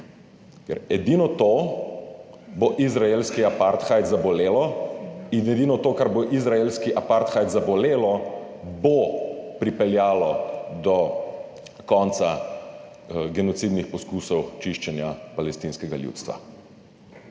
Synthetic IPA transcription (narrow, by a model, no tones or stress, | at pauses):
kɛ̰ɾɛd̪inɔt̪o | boʔizɾaelskiapaɾt̪xajt̪zabɔleːlɔ | inɛd̪iːnɔt̪oːkaɾboʔizɾaelskiʔapaɾt̪xajt̪zabɔleːlɔ | bopɾipɛljaːlɔd̪ɔ | kɔnt̪sa | ɡɛnɔt̪sid̪nixpɔskuːsɔwt͡ʃiʃt͡ʃɛnjapalɛst̪inskɛɡaljṵːt̪st̪ʋa̰